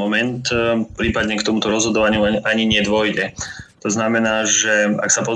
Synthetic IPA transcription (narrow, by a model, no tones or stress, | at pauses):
ɔmɛnt̪pɾiːpad̪ɲɛkt̪ɔmut̪ɔɾɔzɦɔd̪ɔʋaɲɪuaɲiɲɪɛd̪ʋɔjɟɛt̪ɔznamɛnaːʒɛa̰ksapɔ